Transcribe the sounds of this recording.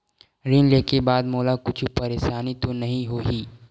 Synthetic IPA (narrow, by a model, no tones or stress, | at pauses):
ɾɪnleːkebaːd̪moːlakʊt͡ʃʰpɐɾeːʃaːnit̪onɐɦĩɦoːɦiː